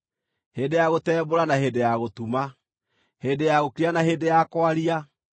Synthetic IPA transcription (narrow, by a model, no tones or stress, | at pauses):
heːdejaɣotɛːboɾanaɦeːdejaɣotuma | heːdejaɣokɾianaɦeːdejakoaɾia